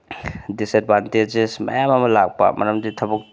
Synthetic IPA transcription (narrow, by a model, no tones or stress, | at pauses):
dised̚bʱanted͡ʒesmɐ̰jamɐmɐlak̚pa̰mʔɐɾɐmditʰɐbuk̚